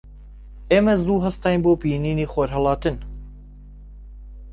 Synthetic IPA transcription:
eːmɐzuːɦɐst̪ɑːjnboːpiːniːniːxoːɾɦɐlˠɑːt̪ɨn

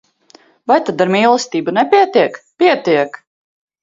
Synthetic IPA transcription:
vajt̪ad̪aɾmiːlˠɛsʲt̪iːbunɛpʲiɛt̪iɛkpiɛt̪iɛk

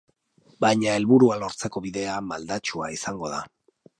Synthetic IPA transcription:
bajɲae̞lβuɾualo̞ɾt͡se̞ko̞βiðe̞amald̪at͡ʃua̰isaŋɡo̞ða̰

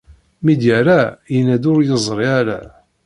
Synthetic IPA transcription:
mid̪jaɾajənæd̪ʊɾjəzˤɾˤiaɾa̰

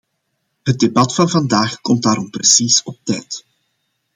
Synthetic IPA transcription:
ɦət̚debɑtfɑnvɑndaːxkɔmt̚daːɾɔmprəsisɔp̚tɛ̰jt

